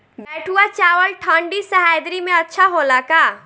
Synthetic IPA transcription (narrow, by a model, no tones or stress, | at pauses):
bɛːʈʰuat͡ʃaːwəlʈʰãːɳɖisɐɦaːjd̪ɾimẽɐtːʃʰaɦoːlakaː